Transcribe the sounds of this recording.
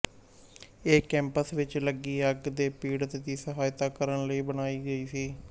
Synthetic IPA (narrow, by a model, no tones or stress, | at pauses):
eːkɛ̃ːmpəsʋɪt͡ʃləɡiːəɡd̪eːpiːɽt̪d̪iːsəɦaːjt̪aːkəɾənləiːbənaːiːɡəiːsiː